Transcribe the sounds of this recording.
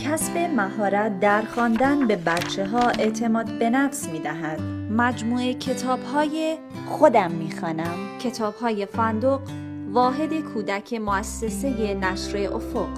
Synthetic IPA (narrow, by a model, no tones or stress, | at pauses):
cʲʰæsbe̞mæɦɒːɾæt̪̚d̪æɾxɒːnd̪ænbe̞bæt̪t͡ʃʰe̞ɦɒːe̞ʔt̪ʰe̞mɒːd̪be̞næfsmiːd̪æɦæd̪̥mæd͡ʒmuːecʰe̞t̪ʰɒːb̥hɒːje̞ | xo̞d̪æmːiːxɒːnæmcʰe̞t̪ʰɒːbhɒːje̞fænd̪oɢ | vɒːɦe̞d̪e̞kʰuːd̪æcʰe̞moæsːe̞se̞jenæʃɾe̞ʔo̰foq